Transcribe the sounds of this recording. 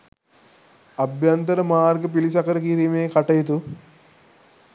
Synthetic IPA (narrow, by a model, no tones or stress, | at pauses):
ɐbjant̪əɾəmaːrɡəp̬ilisɐkəɾəkiɾimeːkaʈɐjit̪̬u